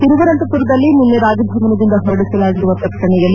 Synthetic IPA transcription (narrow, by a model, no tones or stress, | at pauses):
t̪iɾuʋɐɾɐnt̪ɐt̪uɾɐd̪ɐlːimunːeɾaːd͡ʒɐb̪ʱɐmɐnɐd̪ind̪ɐɦɔɾɐɽisɐlaːɡiɾuʋɐp̪ɐkʂɐɳɛjɐlːi